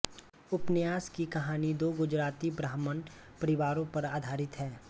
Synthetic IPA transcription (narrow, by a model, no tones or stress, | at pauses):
ʊpnjaːskikɐɦaːnid̪oːɡʊd͡ʒɾaːt̪ibɾaːɦmən | pɐɾɪʋaːɾõpɐɾaːd̪ʱaːɾɪt̪ɦɛː